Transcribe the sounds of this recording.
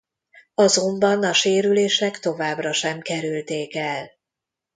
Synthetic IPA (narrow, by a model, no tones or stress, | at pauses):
ɒzo̞mbɒnɒʃeːɾyleːʃnɛkt̪o̞vaːbrɒʃɛmkɛɾylt̪eːkɛl